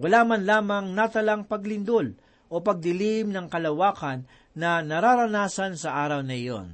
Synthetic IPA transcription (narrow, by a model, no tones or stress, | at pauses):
wʊlaːmɐnlaːmɐŋnat̪ɐlaŋpɐɡlɪnd̪ol | ʔo̞pɐɡ̚d̪ɪlimnɐŋkɐlɐwaːkɐnː | ɐnɐɾaɾɐnaːsansɐʔaːɾɐwnɐɪ̰jo̰n